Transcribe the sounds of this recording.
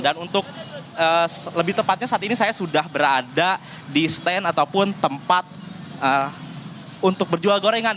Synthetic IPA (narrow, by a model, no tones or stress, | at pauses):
danunt̪ʊk̚əːləbɪht̪əmpat̪̚ɲasaːt̪inisajasudahbəɾada | dist̪ɛnat̪aupʊnt̪əmpat̪̚ə | unt̪ʊk̚bərd͡ʒualɡoɾaiŋan